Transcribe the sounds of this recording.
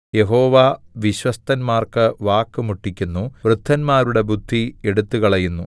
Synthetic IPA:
je̞ɦo̞ːʋaʋiɕʋɐst̪ɐnmaːrkɨʋaːkːɨmuʈːikʲːunːuʋrɨd̪ʱːɐnmaːɾuɽe̞bud̪ʱːieɽut̪ːukɐɭɐjunːu

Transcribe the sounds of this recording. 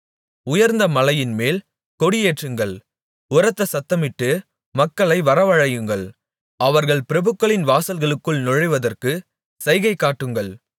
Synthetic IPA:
ʊjɐɾnd̪ɐmɐlɐjɪnmeːl | kɔɽɪjeːʈrɯŋɡɐɭ | ʊɾɐt̪ːɐsɐt̪ːɐmɪʈːɯ | mɐkːɐɭɐɪʋɐɾɐʋɐɻɐjɯŋɡɐɭ | ɐʋɐɾɣɐɭpɪɾɐbɯkːɐɭɪnʋaːsɐlɣɐɭɯkːɯɭnɔɻɐɪʋɐðɐrkɯ | sɐɪɣɐɪkːaːʈːɯŋɡɐɭ

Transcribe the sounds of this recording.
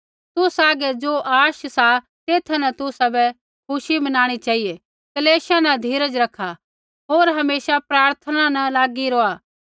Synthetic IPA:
t̪ʊsaːɡɛd͡ʒoːʔaːʃsa | t̪eːt̪ʰanɐt̪ʊsabɛ | kʰʊʃibɐnaːɽ̃it͡ʃaːije | kɐleːʃanɐd̪ʱiːɾəd͡ʒɾɐkʰːa | ɦoːɾɦɐmeːsapɾaːɾt̪ʰənanɐlaːɡiɾoːa

